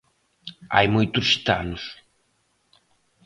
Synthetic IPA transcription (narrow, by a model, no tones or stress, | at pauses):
a̰jmujt̪ʊsːi̥t̪a̰nʊs